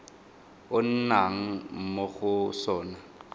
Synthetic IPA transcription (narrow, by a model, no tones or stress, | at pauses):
ʊn̩naŋ̩m̩moɣʊsɔːna